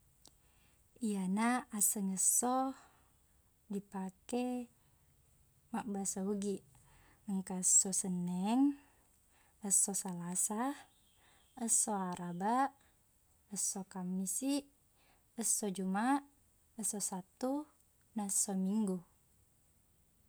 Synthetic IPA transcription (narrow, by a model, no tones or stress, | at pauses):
ijanaasəŋəsɔ | dipakɛ | maʔ̚basauɡiʔ | əŋkaəsɔsənɛŋ | əsɔsalasa | əsoaɾabaʔ | əsɔkamnisiʔ | əsːɔd͡ʒumaʔ | əsɔsat̪u | naəsɔmiŋɡu